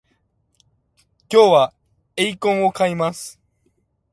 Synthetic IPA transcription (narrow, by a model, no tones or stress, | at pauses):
kʲowa | ejkõŋokʰajmas